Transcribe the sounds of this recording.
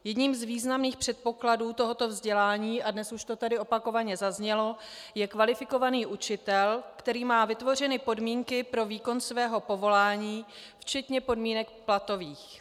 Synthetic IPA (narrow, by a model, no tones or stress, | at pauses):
jɛdɲiːmzviːznamniːxpr̥ɛt̪̚po̞kladuːt̪o̞ɦo̞t̪o̞vzɟɛlaːɲiːadnɛsuʃt̪o̞t̪adɪo̞pako̞vaɲɛzazɲɛlo̞jɛkvalɪfɪko̞vaniːʔut͡ʃɪt̪ɛlkt̪ɛɾiːmaːvɪt̪vo̞r̝ɛnɪpo̞dmiːŋkɪpɾo̞viːko̞nsvɛːɦo̞po̞vo̞laːɲiː | ft͡ʃɛt̪ɲɛpo̞dmiːnɛkplat̪o̞viːx